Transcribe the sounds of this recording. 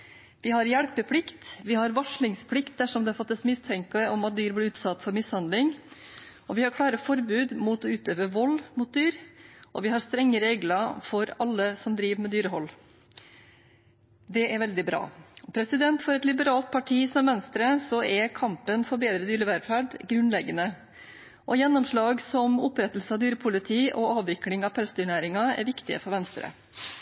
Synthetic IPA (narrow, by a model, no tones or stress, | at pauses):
ʋɪɦɑɾjæɽpəpʰlɪkt̪ʋɪhɑɾʋɑʂɭɪŋspʰlɪkt̪̚d̪æʂɔmd̪ɛɑfɑt̪ːəsmɪst̪ʰɛŋkɑɔmɑt̪̚d̪yːɾblɪʉːt̪sɑt̪ːfɔɾmɪshɑnd̪lɪŋ | ɔʋɪhɑɾkʰlɑːɾəfɔɾbʉːd̪muːt̪ɔʉːt̪øːʋəʋɔlːmʊt̪̚d̪yːɾʔɔ̰ʋɪɦɑɾst̪ɾɛŋːəɾeːɡləfɔɾɑlːəsɔmd̪ɾiːʋəmɛd̪yːɾəɦɔlː | d̪ɛʔæɾʋɛld̪ɪbɾɑ̰ːɔpʰɾɛsɪd̪ɛnt̪fɔɾɛt̪lɪbəɾɑːlt̪̚pʰɑʈʰiːsɔmʋɛnst̪ɾəsɔɛkʰɑmpənfɔɾbeːd̪ɾəd̪yːɾəʋæɾfæɖɡɾʉnlɛɡənə | ʔɔjɛnːɔmʂɭɑːɡsɔmʊpɾɛt̪ːlsəɑːʋd̪yːɾəpʰʊlɪt̪ʰiːʔɔɑːʋʋɪklɪŋɑʋpʰɛlst̪ʏɳæːɾɪŋɑɛ̰ɾʋɪkt̪ɪə̰fɔɾʋɛnst̪ɾə̰